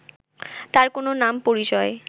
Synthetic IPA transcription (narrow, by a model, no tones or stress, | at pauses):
t̪aɾkononampoɾit͡ɕɔe